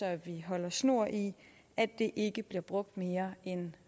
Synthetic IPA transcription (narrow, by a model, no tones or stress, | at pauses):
ɒ̽ʋiɦɒ̽l̰ɐsno̝ɐ̰ʔi | æd̥e̝ʔe̝ɡ̥əb̥liɐb̥ʁɔ̽ɡ̥̚d̥me̝ːɐen